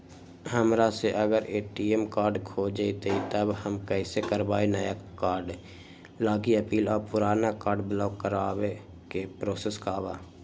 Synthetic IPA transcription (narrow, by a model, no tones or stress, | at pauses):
ɦəmɾaseʔəɡəɾeːʈiemkaːɾɖkʰod͡ʒait̪əit̪əbhəmkɛːsekəɾbaːenəjakaːɾɖ | laːɡiəpiːlɔːɾpʊɾaːnakaːɾɖblɔːkːəɾaːwe | kepɾoːseskaːba̰ː